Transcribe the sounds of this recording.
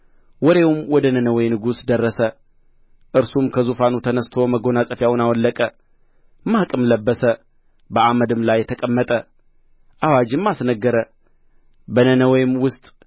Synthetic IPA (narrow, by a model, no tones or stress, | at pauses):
wɔɾe̞wumwɔd̪ənənəwɔjnɨɡusd̪ərːəsə | ʔɨɾsumkʰəzufanut̪ʰənəst̪ʰo̞məɡo̞nasʼəfjawʊnawɔlːəkʼə | mahkʼɨmləbːəsə | bəʔaməd̪ɨmlajːɛt̪ʰəkʼəmːət̪ʼə | ʔawad͡ʒɪmːasnəɡːəɾə | bənənəwjɪmwʊst̪ʼ